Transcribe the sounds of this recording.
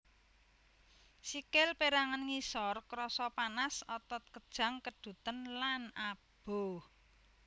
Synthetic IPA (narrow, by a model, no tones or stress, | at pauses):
sikɪlpeɾaŋanŋisɔrkɾɔsɔpanasɔt̪ɔt̪̚kəd̥ʒ̥a̤ŋkəɖ̥ṳt̪ənlanab̥o̤